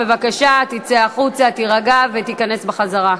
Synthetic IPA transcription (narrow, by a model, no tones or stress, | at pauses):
evakaʃat̪it͡seaχut͡sat̪iʁaɡavet̪ikanesbeχazaʁa